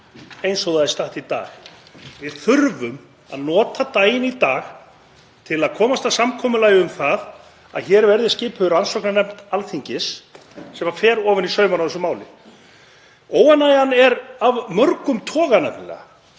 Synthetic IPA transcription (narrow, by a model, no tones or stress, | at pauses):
ejnsowðaðɪst̪aht̪it̪a̰ːxvɪðθʏɾvʏm | a̰ðnɔːt̪at̪aːjɪnit̪aːx | t̪ʰɪlaðkʰɔːmast̪asamkʰɔːmʏlaːjʏʏmθað | a̰ðçɛːɾvɛɾðɪscɪːpʏðʏɾansɔwknanɛmt̪alθiɲcɪs | sɛmafɛːɾɔːvɪnisœːɥmanawθɛsʏmaːwlɪ | oːwanːajanɛɾavmœɾkʏmt̪ʰɔːɣanɛpnlɛ̰a